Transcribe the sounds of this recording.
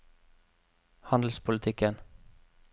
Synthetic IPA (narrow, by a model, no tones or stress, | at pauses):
hɑnd̪l̩spʰʊlət̪ʰɪkən